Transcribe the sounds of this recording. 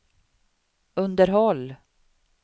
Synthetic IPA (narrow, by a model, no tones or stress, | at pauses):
ɵnd̪əɾɦɔlː